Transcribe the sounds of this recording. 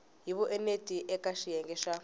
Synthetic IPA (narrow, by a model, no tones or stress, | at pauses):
ɦiβɔʔɛnetʼiʔɛkʼaʃijɛŋɡɛʃa